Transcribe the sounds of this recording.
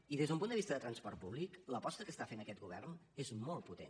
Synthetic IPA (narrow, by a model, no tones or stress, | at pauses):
iðezðəumpund̪əβist̪əðət̪ɾənspɔrt̪̚puβlikləpɔst̪əkəst̪afenəkɛt̪̚ɡuβɛ̰rnezmɔlˠt̪̚put̪ḛn